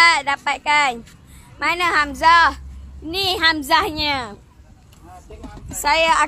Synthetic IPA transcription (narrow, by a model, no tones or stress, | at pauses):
dapat̪̚kan | manəɦamzahiniɦamzahɲə | sajaa